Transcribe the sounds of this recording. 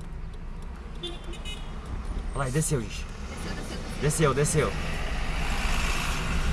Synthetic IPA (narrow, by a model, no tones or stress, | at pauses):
lajd̪esewiʃ | d̪esewd̪esew